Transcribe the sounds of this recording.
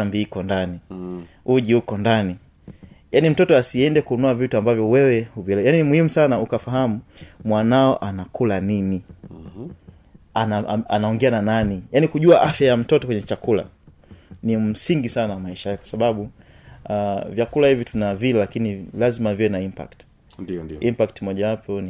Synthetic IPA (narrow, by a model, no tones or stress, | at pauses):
ambiikɔndani | uʄiukɔndani | janim̩tɔtɔasiɛndɛkuːnɔavituambavjɔwɛwɛhuvlɛjaninimuhimusanaukafaɦamumwanaɔʔanakulanini | anaa̰naɔŋɡɛanananijanikuʄuaʔafjajam̩tɔtɔkwɛɲɛt͡ʃakula̰ | nim̩siŋɡisanawamaiʃajakwasaɓaɓu | avjakulahivitunavilɛlakinilazimaviwɛnaimpa̰kt | impak̚timɔʄawapʰɔn